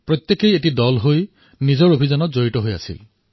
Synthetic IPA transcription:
pɹot̪jekejeʈidɔlɦoj | nizɔɹobʱizanɔzoɹitɔɦoja̰sḭl

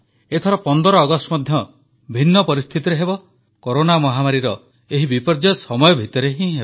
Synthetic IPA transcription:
et̪ʰɔɾɔpɔnd̪ɔɾɔːɡɔsʈɔmɔd̪ʱjɔ | bʱinːɔpɔɾist̪ʰit̪iɾeɦebɔ | koɾonamɔɦamaɾiɾɔ | eɦibipɔɾd͡ʒɔsɔmɔjɔbʱit̪ɔɾeɦĩɦebɔ

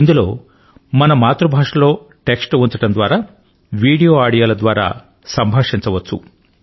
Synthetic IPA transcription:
ind̪ulo̞ː | mɐnɐmaːt̪ɾubʱaːʂɐlo̞ː | ʈe̞ksʈʋunt͡ʃɐʈɐnd̪ʋaːɾaː | ʋiːɽijoːaːɽijaːlɐd̪ʋaːɾa̰ː | sɐmbʱaːʂiɲt͡ʃɐʋɐt͡ʃːṵ

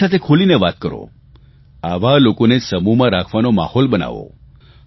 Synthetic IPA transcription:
at̪ʰekʰolineʋat̪kəɾo̰ | aʋalokonesəmumãɾakʰʋanoma̰hɔlbəna̰ʋo̰

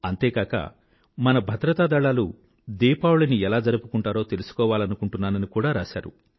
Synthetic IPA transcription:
ɐnt̪e̞ːkaːkɐ̰ | mɐnɐbʱɐd̪ɾɐt̪aːd̪ɐɭaːlu | d̪iːpaːwuɭɐniɛlaːd͡ʒɐɾɐpukuɳʈaːɾo̞ːt̪e̞lusu̥kɔːʋaːlɐnukuɳʈunːaːnɐnikuːɽaːɾaːʃa̰ːɾṵ

